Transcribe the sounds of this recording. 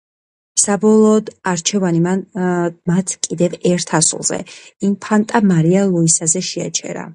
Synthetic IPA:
sabɔlˠɔːd̪aɾt͡ʃʰɛvanimanmat̪ʰkʼid̪ɛvɛɾt̪ʰasṵlˠz̥ɛ̰impʰant̪ʼamaɾialˠɔisazɛʃɛa̰t͡ʃʰɛ̰ɾa̰

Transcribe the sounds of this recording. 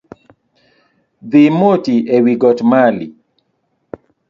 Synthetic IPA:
ðimotiewiɡɔtmali

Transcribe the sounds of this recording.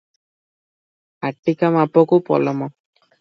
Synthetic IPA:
aʈːikamapɔkupɔ̰lɔmɔ

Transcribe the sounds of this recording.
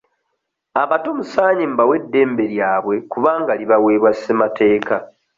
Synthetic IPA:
aβatomusaːɲimbawe̞dːe̞ːmbe̞ɾjaːβwe̞kuβaːŋɡaliβawe̞ːβwasemate̞ːka

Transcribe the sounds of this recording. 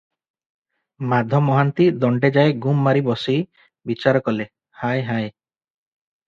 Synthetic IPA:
mad̪ʱɔmɔɦant̪id̪ɔɳɖed͡ʒaeɡumːaɾibɔsij | bit͡ʃaɾɔkɔle | hajɦaj

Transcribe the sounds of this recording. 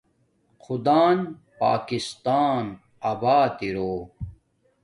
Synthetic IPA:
qud̪aːn | pa̰ːkist̪aːn | ɐbaːt̪iɾoː

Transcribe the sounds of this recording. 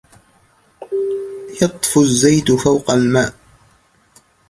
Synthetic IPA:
jɑt̪ˤfʊzːajt̪fawqɑlmaːʔ

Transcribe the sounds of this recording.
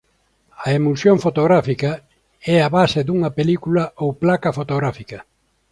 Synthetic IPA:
ɐemulsjoŋfot̪oɣɾafikɐ | ɛaβased̪uŋɐpelikulɐowplakɐfot̪oɣɾafikɐ

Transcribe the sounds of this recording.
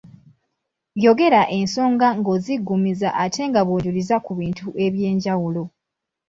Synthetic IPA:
jo̞ɡe̞ɾaʔe̞nso̞ːŋɡaŋɡo̞ziɡːumizaʔatʰe̞ŋɡaβoːɟulizakuβiːntuʔe̞βje̞ːɲɟawulo̞

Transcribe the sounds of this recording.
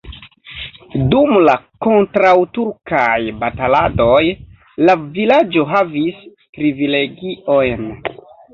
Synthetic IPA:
dumlako̞ntɾawtuɾkajbatalado̞j | lavilad͡ʒo̞ɦavis | pɾivile̞ɡiʔo̞jn

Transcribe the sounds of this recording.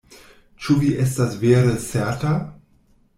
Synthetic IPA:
t͡ʃuviʔes̬tasveːɾəseɐta

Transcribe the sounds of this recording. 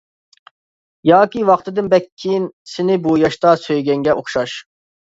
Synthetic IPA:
jɑːkʲiwɑχt̪ʰɨd̪ɨnbɛkʲʰːijinsɪnɪbujɑʃt̪ɑsøjɡʲɛŋɡʲɛʔoχʃɑʃ

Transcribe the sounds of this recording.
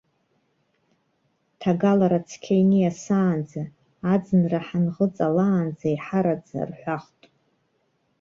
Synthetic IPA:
tʰaɡalaɾat͡sʰkʲʰejnijasaːnd͡zaː | d͡zɨnraħanʁət͡sʼalaːnd͡zaiħaɾad͡za̰rħʷaχtʼ

